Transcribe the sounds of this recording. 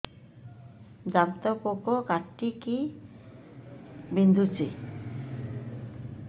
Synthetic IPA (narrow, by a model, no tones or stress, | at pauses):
d͡ʑamt̪ɔkokokaʈːiki | bind̪ʱut͡ɕe